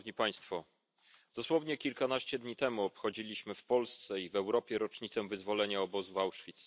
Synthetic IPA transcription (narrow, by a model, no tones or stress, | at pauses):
vɲipaj̃st̪fɔ | d̪̥ɔswɔvɲɛkʲilkanaɕt͡ɕɛd̪ɲit̪ɛmuɔpxɔd͡ʑilʲiɕmɘfpɔlst̪sɛivɛwɾɔpʲjɛɾɔt͡ʂɲit̪sɛvɘzvɔlɛɲaɔbɔzuvawʂfʲit̪s